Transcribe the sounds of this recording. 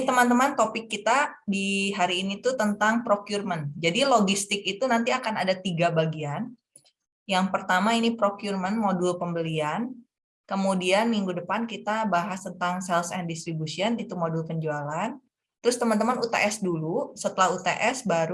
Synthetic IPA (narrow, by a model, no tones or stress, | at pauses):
t̪əmant̪əmant̪opɪkːit̪adiɦaɾiːnit̪ut̪ənt̪aŋpɾokjurmənd͡ʒadiloɡist̪ɪkit̪unant̪iakana̰dat̪iɡabaɡian | jaŋpərt̪amainipɾokjurmənmodulpəmbəlian | kəmudianmiŋɡudəpankit̪abaɦast̪ənt̪aŋsɛlsɛndist̪ɾibusiənit̪umodulpəɲd͡ʒualan | t̪ɾʊst̪əmant̪əmanut̪a̰ʔɛsdulusət̪əlahut̪aʔɛsbaɾu